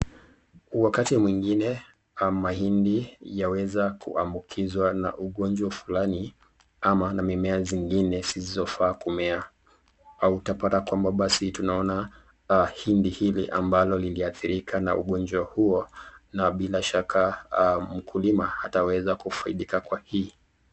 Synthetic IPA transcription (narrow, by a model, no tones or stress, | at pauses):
wakatimwiŋɡinɛ | mahindijawɛzakʰṵambukʰizwana̰ʔuɠɔnd͡ʒwafulani | amanamimɛaziŋɡinɛsizizɔfaːkumɛa | autapatakwambaɓasitunaɔna | hindihiliʔambalɔliliaθiɾikʰana̰uɠɔnd͡ʒwahuɔnaɓilaʃakʰam̩kʰulimaatawɛzakufaḭɗikakwahiː